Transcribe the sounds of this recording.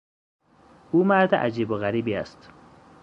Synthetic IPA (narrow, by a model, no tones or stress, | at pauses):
umad̪aʔad͡ʒibʊɣaɾibia̰st̪